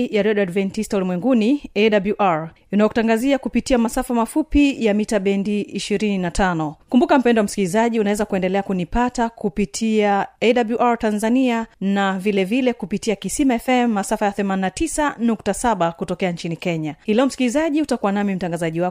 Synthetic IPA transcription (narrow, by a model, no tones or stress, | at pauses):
jaɾɛɗadvɛntistɔlimwɛŋɡuniɛɗabluʔaɹ | inajɔkutaŋɡaziakupitiamasafamafupijamitaɓɛndiiʃiɾininatʰanɔkumbukam̩pɛndɔwam̩si̥kilizaʄiunawɛzakuɛndɛlɛakunipatakupitʰiaɛɗabluʔaɹtanzanianavilɛvilɛkupitiakisimaɛfɛmːasafajaθɛmaninatisanuk̚tasaɓakutɔkɛaɲt͡ʃinikɛɲahilɛɔm̩si̥kilizaʄiutakuwanamim̩taŋɡazaʄiwa